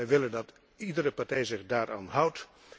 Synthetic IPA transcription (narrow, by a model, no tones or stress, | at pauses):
ɛjʋɪləndɑt | idəɾəpaɹtɛjzɪχdaːɾʔa̰ːnɦʌwt